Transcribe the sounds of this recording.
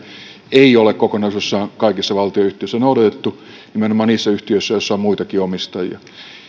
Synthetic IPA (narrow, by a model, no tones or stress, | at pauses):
eiolekkokonɑisjosːɑːnkɑikisːɑʋɑlt̪ioˑyht̪iøsːænoˑudɑt̪et̪ːu | nimenomɑːniːsːæyht̪iøisːæjosːɑommuit̪ɑkiomist̪ɑjiɑ̰